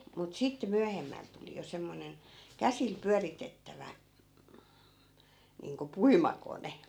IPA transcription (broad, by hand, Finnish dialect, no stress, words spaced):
mut sitːe myæhemːæl tuli jo semːonen kæsil pyæritetːæʋæ niːŋko puimɑkone